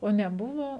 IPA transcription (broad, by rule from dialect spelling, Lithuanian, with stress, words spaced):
oː nʲɛˈbʊʋoː